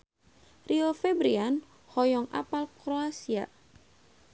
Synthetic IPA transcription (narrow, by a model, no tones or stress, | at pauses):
riofɛbɾian | hɔjɔŋa̰palkɾoasia̰